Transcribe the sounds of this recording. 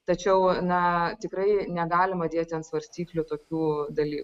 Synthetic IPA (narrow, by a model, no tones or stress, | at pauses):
t̪ɐt͡ʃʲɛʊnɐt̪ʲɪkɾɐɪnʲɛɡɑːlʲɪmɐd̪ʲeːt̪ʲɪɐnt̪sʋɐɾʲsʲt̪ʲiːklʲʊt̪oːkʲuːd̪ɐlʲiːk